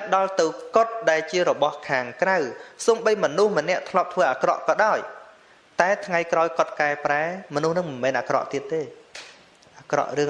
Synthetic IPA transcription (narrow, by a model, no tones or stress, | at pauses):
pɗɑlt̪ɨwkot̪̚ɗaɛlt͡ɕiəɾɔɓɑhkʰaːŋkrawsoːmɓəjmɔnuhmə̆nɛ̆əʔt̪ʰlŏəp̚t̪ʰʋəːʔaːkrɑ̰ʔkɑːɗaɔj | t̪aɛt̪ʰŋajkraɔjkŏət̪̚kaɛpraɛmɔnuhnɨŋmɨnmɛːnʔaːkrɑ̰ʔt̪iət̪̚ːeː | ʔaːkrɑ̰ʔrɨəŋ